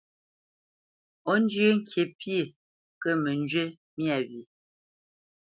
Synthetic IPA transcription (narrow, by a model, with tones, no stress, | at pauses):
o˦n˦d͡ʒjə˦ŋ̩˦kʰe˨pje˨ | kə˦mə˨nd͡ʒɥə˦ | mja˨bi˨